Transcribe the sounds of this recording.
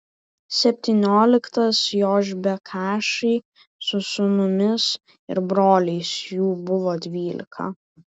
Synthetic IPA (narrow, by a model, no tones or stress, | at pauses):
sʲɛpʲt̪ʲiːnʲoːlʲɪkt̪ɐsjoːʒʲbʲɛkʰɑːʃɐɪ | sʊsʊnʊmʲɪs | ɪ̰ɾbɾoːlʲɛɪsjuːbʊʋoːd̪ʲʋʲiːlʲɪ̰kʰɐ̰